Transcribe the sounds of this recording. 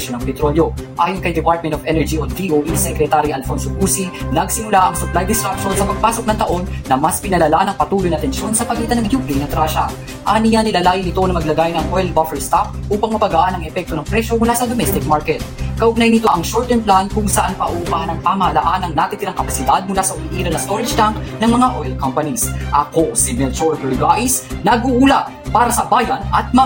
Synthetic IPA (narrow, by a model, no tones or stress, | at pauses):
ʃonɐŋpɛt̪ɾo̞ljo̞ʔaːjonkɐjd̪ɛpaɹt̪mɛnt̪ovɛnɛɹd͡ʒionviʔoʔisɛkɾɛt̪aɾiʔɐlfonsokusinɐɡsɪmʊlaʔɐŋsʊplajd̪ɪskap̚ʃo̞nsɐpɐɡ̚paːso̞k̚nɐŋt̪ɐʔo̞nːɐmɐspɪnɐlɐlanɐŋpɐt̪uːlojnɐt̪ɛnʃjo̞nsɐpɐɡiːt̪ɐnɐŋjuklijnɐt̪ɾaʃɐ̰ | ʔanijanɪlalaːjɪnɪt̪o̞nɐmɐɡlɐɡaːjnɐŋwɛl̚bofɛɹst̪ap̚ʔuːpɐŋmɐpɐɡaʔanɐŋɛfɛk̚t̪o̞nɐŋpɾɛʃjo̞mʊlasɐd̪omɛst̪ɪk̚maɹkɛt̪̚kɐʔʊɡ̚najɐnɪt̪o̞ʔɐŋʃoɹt̪ɛnplankʊŋsɐʔanpɐʔʊʔʊbahɐnɐŋpamɐhɐlaʔanɐŋnat̪it̪ɪlaŋkɐpɐsɪd̪ad̪̚mʊlasɐʔʊmiʔiːɾɐnɐst̪o̞ɾɐd͡ʒt̪aŋknɐŋmɐŋaʔoɛlkompɐnisʔɐko̞simɛlt͡ʃolɡɛɹɡajsnɐɡuʔula | paːɾɐsɐbaːjɐnɐt̪̚mɐ